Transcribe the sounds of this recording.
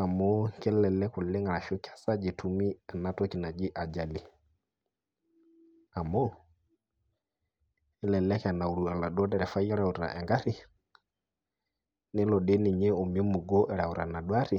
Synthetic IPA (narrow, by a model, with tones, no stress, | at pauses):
a˨mɔ˦kɛ˦lɛ˨lɛ˦kʊ˨lɪ˦ŋa˨ɾa˨ʃo˦kḁ˨sa˦d͡ʒe˨tʰu˨mi˦ɛ˨na˦tɔ˦ki˨na˨d͡ʒɪ˦ʔa˨d͡ʒa˨li˨ | a˨mɔ˦ | ɪ˦lɛ˨lɛ˦kɛ˨na˨u˨ɾu˨a˨la˨ɗɔ˦dɛ˨ɾɛ˨fa˦jɛ˦ɾa˨u˨ɾɾa̰˨ʔɛ˨ŋɡa˦ɾɪ˦˨ | nɪ˦lɔ˨ɗe˦nɪ˨ɲɛ˦o˨m˨˦o˦mu˨ɡɔ˦ʔɛ˨ɾa˨u˨ɾa̰˨na˨dwa˦ɾɪ˨